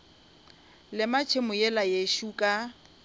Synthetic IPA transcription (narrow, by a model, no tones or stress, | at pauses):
lɪmat͡ʃʰemʊjɛlajeʃukʼa